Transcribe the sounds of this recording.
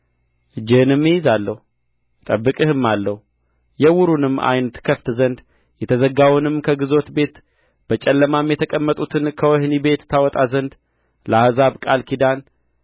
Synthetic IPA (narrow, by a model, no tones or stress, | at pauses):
ʔɨd͡ʒːɪhɨnɨmːɨjɪzalːəhu | t̪ʼəbːɨkʼɨhɨmːalːəhu | jɛwʊɾunɨmːʔa̰jnət̪kʰəft̪zənd̪ | jɛt̪ʰəzəɡawnɨmkʰəɡɨzo̞t̪be̞t̪ | b̥ət͡ʃʼɛlːəmamjɛt̪ʰəkʼəmːət̪ʼut̪ʰɨnkʰəwɔhnibe̞t̪t̪ːʰawɔt̪ʼazənd̪ | ləahzaβkʼalkʰid̪an